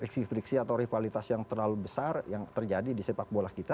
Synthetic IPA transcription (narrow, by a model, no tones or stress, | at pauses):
riksifɾiksiat̪awɾifalit̪asjaŋt̪ərlalubəsarjaŋt̪ərd͡ʒadidisepak̚bolahkit̪a